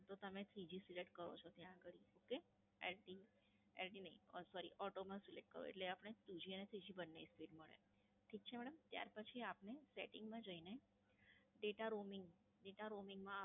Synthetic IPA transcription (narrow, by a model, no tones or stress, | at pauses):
t̪ot̪əmet̪ʰɾid͡ʒisileʈkəɾo̰t͡ʃʰot̪jãːɡəɭioke | elʈi | ḛlʈinəɦĩəsɔɾḭʔɔʈomãsileʈ̚kəɾo̰ḛʈleapəɽ̃et̪ud͡ʒiənet̪ʰɾid͡ʒibənːespiɖməɭḛ | t̪ʰik̚t͡ʃʰemɛɽəmt̪ja̰ɾpət͡ʃʰiapneseʈɪŋɡmãd͡ʒəine | ɖeʈaɾomɪŋɡ | ɖeʈaɾomɪŋɡmã